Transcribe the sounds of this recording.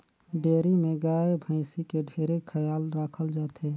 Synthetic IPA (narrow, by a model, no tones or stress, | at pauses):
ɖeːɾimẽɡaːebʱə̃ɪsikeɖʱeːɾekʰəjaːlɾaːkʰəld͡ʒaːt̪ʰe